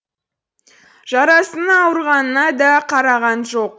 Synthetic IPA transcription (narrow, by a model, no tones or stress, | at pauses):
ʒ̥ɑɾɑsənːwəɾʁɑnənɑd̪ɑqʰɑɾɑʁɑnʒo̞q